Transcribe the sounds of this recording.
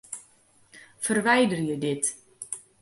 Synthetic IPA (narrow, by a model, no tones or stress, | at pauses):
fərʋɛjdərjədɪt